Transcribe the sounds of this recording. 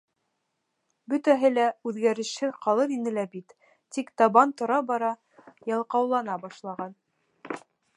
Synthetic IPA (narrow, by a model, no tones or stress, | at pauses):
bɵ̆t̪æɦɘlæʉðɡæɾɘ̆ʃɘqɑlˠɤðinɘ̆læbit̪ː | ikt̪ɑβɑnt̪ŏɾɑbɑɾɑ | jɑlˠqɑwlˠɑnɑbɑʃlˠɑʁɑn